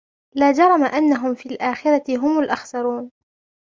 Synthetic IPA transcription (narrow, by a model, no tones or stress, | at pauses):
laːd͡ʒɑɾˤɑmaʔanːaɦʊmfiːlʔaːxɪɾˤɑt̪ɪɦʊmʊlʔɑxsɑɾˤuːn